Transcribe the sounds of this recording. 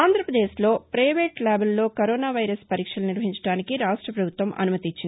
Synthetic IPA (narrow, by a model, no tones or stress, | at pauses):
aːnd̪ʱɾɐpɾɐd̪eːslo̞ːpɾɐjʋeːʈlaːbelːo̞ːkɐɾoːnaːʋɐjɾɐspɐɾiːkʂɐluniɾʋɐɦiɲt͡ʃɐɽaːnikiɾaːʂʈɾɐpɾɐbʱut̪ʋɐmʔɐ̰numɐt̪it͡ʃːini